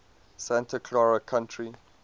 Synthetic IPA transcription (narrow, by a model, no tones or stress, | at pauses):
sæ̃ntʰəkʰlɔɹəkʰãntʰɹi